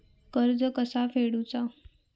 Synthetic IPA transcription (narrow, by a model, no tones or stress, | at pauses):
kəɾd͡zəkəsafeɽut͡sa